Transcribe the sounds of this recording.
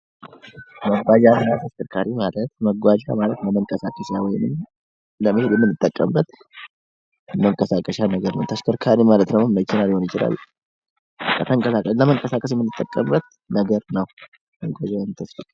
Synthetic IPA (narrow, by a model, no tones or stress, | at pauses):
məɡʷad͡ʒanɨnat̪ʰəskəɾkʰaɾimalət̪̚məɡʷad͡ʒa̰malət̪ləməŋkʼəsakʼəʃawɔjɪnɨm | ləmɨheljɛmːɨnːɨt̪ʼːəkʼːə̰mbːət̪ | məŋkʼəsakʼəʃanəɡəɾnəwt̪ʰəskʰəɾkʰaɾimalət̪nəmmːət͡ʃːɪnaljho̞njɪt͡ʃɪla̰l | kːət̪ʰəŋkʼəsakʼələməŋkʼəsakʼəsjɛmɨnːɨt̪ʼːəkʼːəmbət̪̚ | nəɡəɾnəw | məɡʷad͡ʒajnt̪ʰəsfətʼ